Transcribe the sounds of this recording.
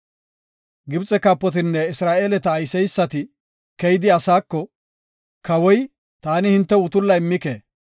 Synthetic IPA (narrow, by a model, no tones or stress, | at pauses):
ɡɪbt͡sʼɛkaːpːɔt̪̬ɪnːɛɪsɾaːʔeːlɛt̪ɐːjsɛjsːɐt̪ɪ | kɛjɪd̪ɪɐsaːkːɔ | kɐwɔj | t̪aːnɪhɪnt̪ːɛʊt̪ʊlːɐjɪmːɪkḛː